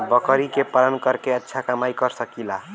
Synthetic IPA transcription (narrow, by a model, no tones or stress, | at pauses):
bʌkʌɾikepalʌnkʌɾkeʌtːʃʰakamajkʌɾsʌkila